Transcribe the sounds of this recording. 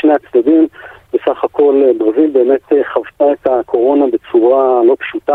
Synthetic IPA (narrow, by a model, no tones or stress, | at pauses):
ʃneat͡sd̪adimvesaχakʰo̞lbʁazilbe̞ːme̞t̪eχavtaetakʰo̞ʁo̞nabe̞t͡suʁalo̞pʃut̪a